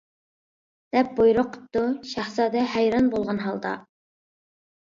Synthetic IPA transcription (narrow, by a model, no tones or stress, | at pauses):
d̪̥ɛp̚bojɾoqʰʊ̥t̪ːuʃæχsɑd̪ɛɦæjɾɑnbolˠʁɑnɦɑlˠd̪ɑ̰